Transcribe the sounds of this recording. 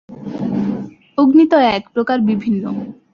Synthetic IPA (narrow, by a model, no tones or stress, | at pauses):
oɡnit̪oɛkpɾokaɾbibʱinːo